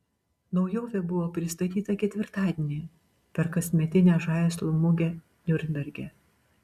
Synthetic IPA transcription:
nɐʊjoːʋʲɛbʊʋoːpʲɾʲɪst̪ɐt̪ʲiːt̪ɐkʲɛt̪ʲʋʲɪɾt̪ɑːd̪ʲenʲiː | pʲɛɾkɐsʲmʲɛt̪ʲɪnʲæːʒɑˑːɪslˠʊmʊɡʲɛ | nʲʊɾʲnʲbʲɛɾʲɡʲɛ

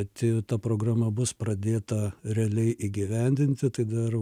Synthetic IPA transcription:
t̪ʲɪt̪ɐpɾoːɡɾaːmɐbʊspɾɐd̪ʲeːt̪ɐɾʲɛɐlʲɛɪʔiːɡʲɪʋʲɛnʲd̪ʲɪnʲt̪ʲɪt̪ɐɪd̪ɐr

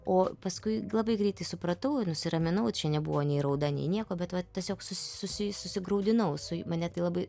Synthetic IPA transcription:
oːpɐskʊɪlˠɐbɐɪɡɾʲɛɪt̪ɐɪsʊpɾɐt̪ɐʊnʊsʲɪɾɐmʲɪnɐʊt͡ʃʲɛnʲɛbʊʋoːnʲɛɪɾɐʊd̪ɐnʲɛ̰ɪnʲiɛkoːbʲɛt̪ʋɐt̪ʲːiɛsʲoːksʊssʊsʲɪsʊsʲɪɡɾɐʊd̪ʲɪnɐʊsʊmɐnʲɛt̪ɐɪlˠɐbɐɪ

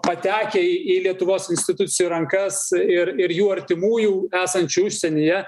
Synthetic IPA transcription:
pɐt̪ʲæːkʲeːiːiːlʲiɛt̪ʊʋoːsɪnsʲt̪ʲɪt̪ʊt̪sʲɪjuːɾɐŋkɐsɪɾɪɾjuːɐɾʲt̪ʲɪmuːjuːæːsɐnʲt͡ʃʲuʊʃʲsʲɛnʲijɛ

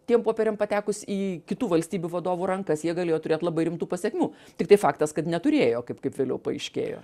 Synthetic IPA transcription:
t̪ʲiɛmpoːpʲɛɾʲɛmpɐt̪ʲæːkʊsʲiːkʲɪt̪uːʋɐlʲsʲt̪ʲiːbʲuʋɐd̪oːʋʊɾɐŋkɐsjiɛɡɐlʲeːjoːt̪ʊɾʲeːt̪lˠɐbɐɪɾʲɪmt̪uːpɐsʲɛkʲmʲuː | t̪ʲɪkt̪ɐɪfɑːkt̪ɐskɐt̪nʲɛt̪ʊɾʲeːjoːkɐɪpkɐɪpʋʲeːlʲɛʊpɐɐɪʃʲkʲḛːjo̰ː

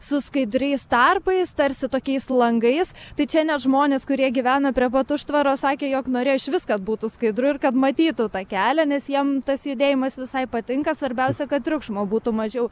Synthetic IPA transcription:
sʊskɐɪd̪ʲɾʲɛɪst̪ɐrpɐɪst̪ɐɾʲsʲɪt̪oːkʲɛɪslˠɐŋɡɐɪst̪ɐɪt͡ʃʲɛnʲɛtʒmoːnʲeːskʊɾʲiɛɡʲiʋʲæːnɐpʲɾʲiɛpɐt̪ʊʃt̪ʋɐɾoːsɑːkʲeːjoːknoːɾʲeːjɪʃʋʲɪskɐt̪buːt̪ʊskɐɪd̪ɾʊɪrkɐt̪mɐt̪ʲiːt̪ʊt̪ɑːkʲæːlʲɛnʲɛsjiɛmt̪ɐsjʊd̪ʲeːjɪmɐsʋʲɪsɐɪpɐt̪ʲɪŋkɐsʋɐɾʲbʲɛʊsʲɛkɐt̪̚t̪ʲɾʲʊkʃmoːbuːt̪ʊmɐʒʲɛʊ

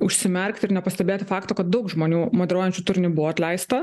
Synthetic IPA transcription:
ʊʃʲsʲɪmʲɛɾʲkt̪ʲɪɾnʲɛpɐsʲt̪ʲɛbʲeːt̪ʲɪfɑːkt̪oːkɐt̪̚d̪ɐʊkʒmoːnʲuːmoːd̪ʲɛɾoːjɛnʲt͡ʃʲuːt̪ʊɾʲnʲɪbʊʋɔːɐt̪ʲlʲɛɪst̪ɐ

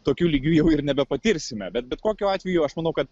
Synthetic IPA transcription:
t̪oːkʲuːlʲiːɡʲuːjɛʊɪrnʲɛbʲɛpɐt̪ʲɪɾʲsʲɪmʲɛbʲɛt̪bʲɛt̪koːkʲuːɑːt̪ʲʋʲɛjuɐʃmɐnɐʊkɐt̪

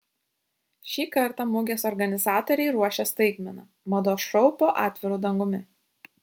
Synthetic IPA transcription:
ʃʲiːkɐɾˑt̪ɑmʊɡʲeːsɔɾɡɐnʲɪzɑːt̪ɔɾʲɛɪɾuɔʃʲɛst̪ɐɪɡmʲɛnɑ̰ː | mɐd̪oːʃɾɔʊpoːʔɑːt̪ʲʋʲɪɾuːd̪ɐŋɡʊmʲɪ

